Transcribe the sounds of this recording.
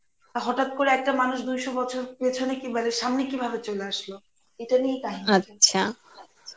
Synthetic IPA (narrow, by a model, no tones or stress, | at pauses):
aɦɔʈat̪̚koɾeɛk̚ʈamanuʃd̪ujʃobɔt͡ɕʰoɾpet͡ɕʰonekibaleʃamnekibʱabet͡ɕoleaʃlo | eʈaniekaɦiaɕʰa | a